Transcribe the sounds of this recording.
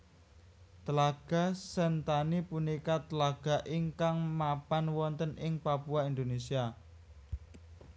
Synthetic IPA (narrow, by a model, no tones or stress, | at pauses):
t̪əlaɡ̥a̤sənt̪anipunikat̪əlaɡ̥a̤ʔɪŋkaŋmapanwɔnt̪ənʔɪŋpapuaind̪onesia